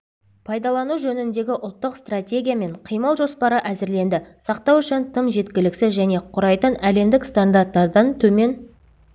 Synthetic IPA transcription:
pʰɑjd̪ɑlˠɑnuʒɵnɪnd̪e̞ɡʲɪʔʊlˠt̪ːəqst̪ratʲe̞ɡʲijame̞ɴqʰijməlˠʒospɑɾəʔæzɪɾle̞nd̪ɪsɑq̚t̪ɑwʏʃɪnt̪ʰəmʒe̞t̪kʲɪlɪksɪzʒæne̞qʰʊɾɑjt̪ənæle̞md̪ɪkst̪and̪aɾt̪ːɑɾd̪ɑnt̪ʰɵme̞n

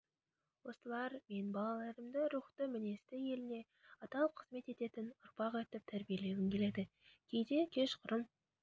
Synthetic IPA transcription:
wo̞st̪əlˠɑɾme̞nbɑlˠɑlˠɑɾəmd̪əɾuχt̪əmɪne̞st̪ɪje̞lɪne̞ | ɑt̪ɑlˠəp̚qʰəz̥me̞t̪e̞t̪e̞t̪ɪnʊɾpɑqɑjt̪əp̚t̪ʰæɾbije̞le̞wɪmkʲʰe̞le̞d̪ɪ | kʲʰejd̪e̞kʲʰe̞ʃqʰʊɾəm

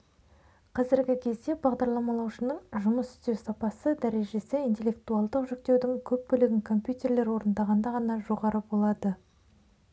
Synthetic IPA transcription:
qʰɑzɪɾɡʲɪkʲʰe̞zd̪e̞bɑʁd̪ɑɾlˠɑmɑlˠɑwʃənəɴʒʊməsʏ̥st̪e̞wsɑpɑsəd̪æɾe̞ʒe̞sɪijnt̪ʲelːe̞k̚t̪uɑlˠd̪əqʒʏk̚t̪e̞wd̪ɪŋkʲʰɵp̚bʏlɪɡʲɪŋkʰo̞mpjut̪e̞ɾle̞ɾwo̞ɾənd̪ɑʁɑnd̪ɑʁɑnɑʒo̞ʁɑɾəbo̞lˠɑd̪ə

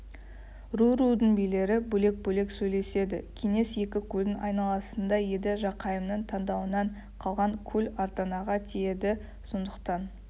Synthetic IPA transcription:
ruɾud̪ənbijle̞ɾɪbɵle̞k̚bɵle̞ksɵjle̞se̞d̪ɪkʲʰeŋe̞sje̞kʲɪkʲʰɵld̪ɪnɑjnɑlˠɑsənd̪ɑje̞d̪ɪʒɑqʰɑjəmnəɴt̪ʰɑnd̪ɑwənɑɴ | qʰɑlˠʁɑŋkʲʰɵlɑɾt̪ɑnɑʁɑt̪ʰeje̞d̪ɪ | so̞nd̪əqt̪ɑn

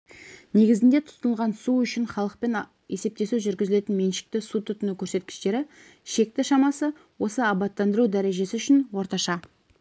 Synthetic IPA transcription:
ne̞ɡʲɪzɪnd̪e̞t̪ʰʊ̥t̪ənəlˠʁɑnsuʏʃɪnɴχɑlˠəq̚pe̞n | e̞se̞p̚t̪e̞suʒʏɾɡʲɪzɪle̞t̪ɪnme̞nʃɪ̥k̚t̪ɪsut̪ʰʏt̪ʏnukʲʰɵɾse̞t̪̚kʲɪ̥ʃt̪e̞ɾɪ | ʃe̞k̚t̪ɪʃɑmɑsə | wo̞səɑbɑt̪ːɑnd̪əɾud̪æɾe̞ʒe̞sɪʏʃɪnwo̞ɾt̪ɑʃɑ

